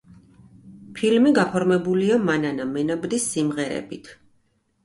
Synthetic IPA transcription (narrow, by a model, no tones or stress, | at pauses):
pʰilmiɡapʰɔɾmɛbuliamananamɛnabd̪isːimʁɛɾɛ̰bit̪ʰ